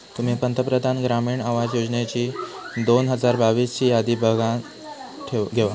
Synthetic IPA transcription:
t̪um̤iːpənt̪əpɾəd̪ʱanɡɾamiːɳaʋad͡zjod͡znet͡ɕiː | d̪onɦəd͡zaɾbaʋiːst͡ɕiːjad̪iːbʱəɡãn | ʈʰeɡʱeʋa

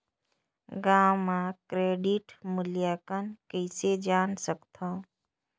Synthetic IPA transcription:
ɡaːmãkɾeːɖiʈmʊljaːkənkəɪsed͡ʒaːnsəkt̪ʰã

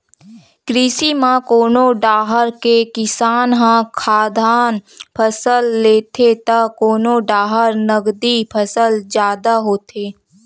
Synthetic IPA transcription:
kɾiːsimãkoːnoɖaːɦəɾkekɪsaːnɦãkʰaːd̪ʱaːnpʰəsəlːeːt̪ʰet̪akoːnoɖaːɦəɾnəɡd̪ipʰəsəld͡ʒjaːd̪aɦoːt̪ʰeː

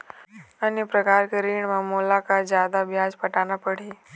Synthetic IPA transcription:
ənipɾəkaːɾkeɾiːɳmãmoːlakazjaːd̪abjaːd͡ʒpəʈaːnapəɽ̤eː

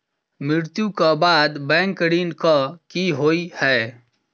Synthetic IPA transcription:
mɪɾt̪jũkabaːd̪bɛ̃ːŋkːəɽiːnkakiɦoːihɛː

